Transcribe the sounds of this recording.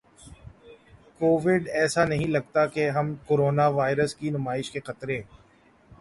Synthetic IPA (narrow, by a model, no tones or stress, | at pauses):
koːʋɪɖɛːsanɐɦĩlɐɡ̚t̪akeɦɐmkoːɾoːnaʋaːɪɾəskinʊmaːɪʃkeqɐt̪ɾẽː